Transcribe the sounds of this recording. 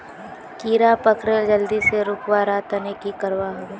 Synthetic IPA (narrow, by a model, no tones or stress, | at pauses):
kiːɾapɐkɾeld͡ʒəld̪iseɾʊkwaɾat̪ɐnekikɐɾwaɦo